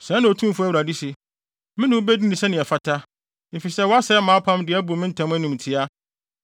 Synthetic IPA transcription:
sɛ̃˨˦nã˨o˨tʰũ˦m˦fʊ˦æ˦˨wɾa˨di˦si˨ | mɪ̃˦nɪ̃˦ʊ˦bɛ˦di˦nĩ˨sɛ˦nɪ̃˨ɛ˨fa˨tʰa˦ | ɪ˨fi˨sɛ˦˨wɔ˦a˦sɛ˦mãː˨˦pʰã˦mdɪ˨ɛ˦bu˨ɾmɪ̃˦n̩˦tʰã˦m˦æ˦nĩ˨m˨tʰɪ˦a˦

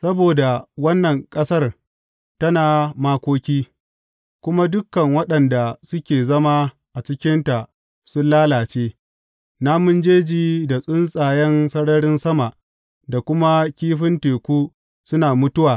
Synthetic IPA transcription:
sɐ˦boː˨da˨wɐ˦nːɐ˨ŋkʼɐ˦sɐ˦r | tɐ˦naː˨maː˦kʷoː˦kʲiː˦ | kʷʊ˦ma˦dʊ˦kːɐ˨ŋwɐ˦ɗɐ˨nda˨sʊ˦kʲeː˨zɐ˦ma˦ | ʔa˨t͡ʃɪ˦kʲɪ˦nta˨ʔ | sʊ˦nlaː˦laː˨t͡ʃeː˦ | naː˦mʊ˦nd͡ʒeː˦d͡ʒiː˨da˨sʼʊ˦nsʼaː˨jɛ˦nsɐ˦ɽɐ˦ɽɪ˦nsɐ˦ma˨ʔ | da˨kʷʊ˦ma˦kʲiː˦ɸɪ˦nteː˨kʷuː˦ | sʊ˦naː˨mʊ˦tʊ˦waː˨

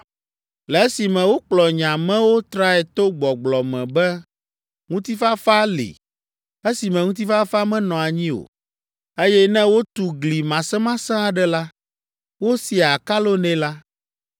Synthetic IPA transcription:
lɛ˨e˦si˨mɛ̃˨wo˦k͡plɔ˨ɲã˨mɛ̃˦wo˦t̪ɾa˦ɛ˨t̪o˦ɡ͡bɔ˨ɡ͡blɔ˨mɛ̰̃˨bɛ˦ | ŋũ˦t̪i˦fa˦fa˦lḭ˨ | e˦si˨mɛ̃˨ŋũ˦t̪i˦fa˦fa˦mɛ̃˦nɔ̃˨a˨ɲĩ˦o̰˨ | e˦jɛ˦nɛ̃˦wo˦t̪u˨ɡli˨mã˨sɛ̃˦mã˦sɛ̃˦a˨ɖɛ˦la˦ | wo˦si˨a˨ka˦lo˦nɛ̃˦la˦

